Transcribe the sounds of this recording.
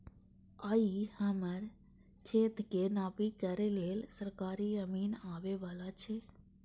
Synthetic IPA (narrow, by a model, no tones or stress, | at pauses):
əihəməɾ | kʰeːt̪kenaːpikəɾeleːlsəɾkaːɾiəmiːnaːʋeʋaːlat͡ʃʰe